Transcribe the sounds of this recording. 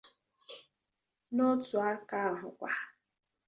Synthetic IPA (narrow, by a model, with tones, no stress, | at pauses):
nʊ˦tʊ˨a˦ka˦˨ɦʊ˨kʷa˨